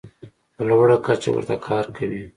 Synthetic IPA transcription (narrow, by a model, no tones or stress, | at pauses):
bəlawaɽakat͡ʃa̰wə̰ɾt̪akʰɑɾkʰawi